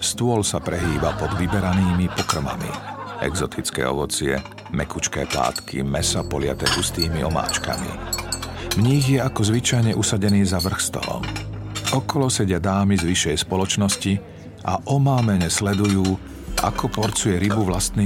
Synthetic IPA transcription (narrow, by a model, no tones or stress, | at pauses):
st̪ʊɔlsapɾɛɦiːbapɔd̪ʋibɛɾaniːmipɔkr̩ma̰mḭʔɛ̰ɡzɔt̪ʰit͡skɛ̰ːɔ̰ʋɔt͡sɪɛ̰ | mɛkut͡ʃkɛ̰ːpla̰ːt̪kḭmɛsapɔlɪa̰t̪ɛ̰ʔust̪iːmiʔɔma̰ːt͡ʃka̰mḭ | mɲiɣjɛakɔzʋit͡ʃajɲɛʔusaɟɛniːzaʋr̩xst̪ɔ̰lɔ̰mʔɔkɔlɔsɛɟɪad̪aːmizʋiʃːɛjspɔlɔt͡ʃnɔsci | ʔaʔɔmaːmɛɲɛslɛd̪ujuː | ʔa̰kɔpɔɾt͡sujɛɾibuʋlast̪niː